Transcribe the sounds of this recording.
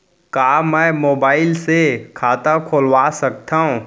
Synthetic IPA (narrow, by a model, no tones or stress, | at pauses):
kaːmɛ̃ːmoːbaːɪlsekʰaːt̪akʰoːlʋaːsɐk̚t̪aːɦũ